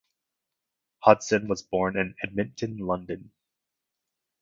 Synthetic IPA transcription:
hʌd̥sɨ̃nwʌzbɔɹnɨ̃nɛd̚mɪ̃ntʰɨ̃nlʌ̃ndɨ̃n

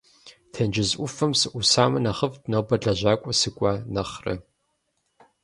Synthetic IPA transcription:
tʰɐnd͡ʒɪzʔʷʊfɐmsɨʔʷusaːmɐnaχəvtnoːbɐɮɐʑʷaːkʷʼɔsɨkʷʼanɐχrɨ̰

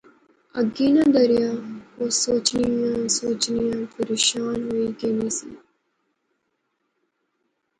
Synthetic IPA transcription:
ɐɡːiːnãd̪ɐɾijakosoːt͡ʃniãsoːt͡ʃnijãpɐɾeːʃaːnɦoiɡeːniːsḭ

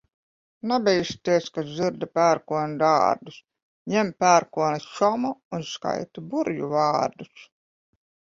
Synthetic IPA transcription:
nabʲɛjst̪iɛskazɨɾd̪apʲæːɾkuɔnud̪a̰ːɾd̪us | ɲɛmpʲæːɾkuɔnasʃɔmuunska̰jt̪ubuɾjṵvaːɾd̪us

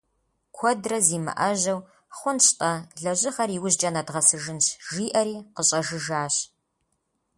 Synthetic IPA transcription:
kʷʰɔdrɐziːmɨ̰ʔɐʑɐw | χʷʊnɕtʼɐɮɐʑɪχɐriwʊʑd͡ʒʼɐnɐdʁɐsɨʒɨnɕʒiːʔɐɾiːqəɕʼɐʒɨʒaːɕ

